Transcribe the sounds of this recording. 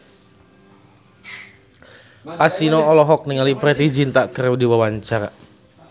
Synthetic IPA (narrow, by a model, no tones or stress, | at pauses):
ʔasinɔːlɔɦɔk̚niŋalipɾɛt̪id͡ʒint̪aʔkəɾwdiwawaɲt͡ʃaɾa